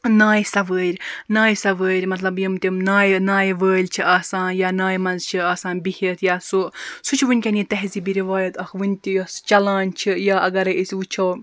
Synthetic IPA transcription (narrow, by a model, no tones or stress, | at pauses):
naːjsɐʋəːɾʲnaːjsɐʋəːɾʲmɐt̪lɐbjimt̪ʲimnaːjnaːjʋəːlʲt͡ʃʰiʔaːsaːnjaːnaːjmɐnzt͡ʃʰiaːsaːnbihit̪ʰjaːsusut͡ʃʰiʋɨnʲkʲɐnit̪ɐɦziːbiɾiʋaːjɐt̪ɐxʋɨnʲt̪ʲijɐst͡ʃɐlaːnʲt͡ʃʰijaːʔɐɡɐɾɐisʲʋut͡ʃʰow